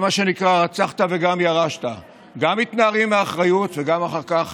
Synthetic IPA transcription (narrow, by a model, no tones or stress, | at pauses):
maʃe̞nikʁaʁat͡saχt̪aveɡamjaʁaʃt̪a | ɡamit̪naːʁimeaχʁajut̪veɡamaχaʁkaχ